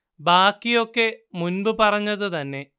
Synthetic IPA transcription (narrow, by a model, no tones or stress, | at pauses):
baːkːijo̞kːe̞munbɨpɐrɐɲːɐðɨt̪ɐnːe̞